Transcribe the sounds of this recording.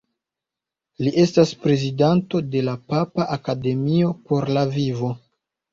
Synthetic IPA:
liʔe̞staspɾe̞zidanto̞de̞lapapaʔakade̞mio̞po̞ɾlavivo̞

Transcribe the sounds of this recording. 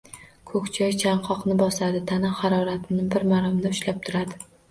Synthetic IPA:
kʰɵkʲt͡ʃʰɒjt͡ʃʰaɴqʰɒqnɪbɒsad̪ɪt̪ʰanahɑɾɒɾat̪ʰɪnɪbɪɾmaɾɒmd̪aʊʃlap̚t̪ʰʊɾad̪ɪ

